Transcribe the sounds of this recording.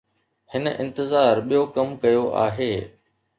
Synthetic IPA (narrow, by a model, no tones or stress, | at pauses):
hɪnə̆ʔɪ̃nt̪ɪzaːɾɓijokɐmkɐjoʔa̰ːɦeː